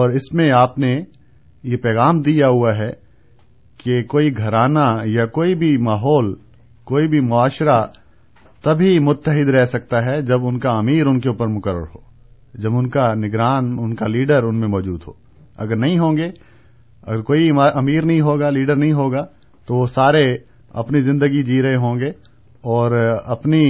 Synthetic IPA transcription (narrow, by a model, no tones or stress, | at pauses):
ɔːɾɪsmẽaːpne | jepɛːɣaːmd̪ijaɦuaɦɛ | kekoːiɡʱɐɾaːnajakoːibʱimaːɦɔːl | koːibʱimʊaːʃɾa | t̪ɐbʱimʊt̪ːəɦɪd̪ɾɛɦsɐk̚t̪aɦɛd͡ʒɐbʊnkaɐmiːɾʊnkeuːpəɾmʊkəɾːə̰ɾɦo̰ː | d͡ʒɐbʊnkanɪɡɾaːnʊnkaliːɖəɾʊnmẽmɔːd͡ʒuːd̪ɦo̰ː | ɐ̰ɡəɾnɐɦĩɦõːŋɡeː | ɐ̰ɡəɾkoːiaɐmiːɾnɐɦĩɦoːɡaliːɖəɾnɐɦĩɦoːɡa | t̪oʋosaːɾe | ɐ̰pnizɪ̃nd̪əɡid͡ʒiːɾɐeɦõːŋɡe | ɔːɾɐpni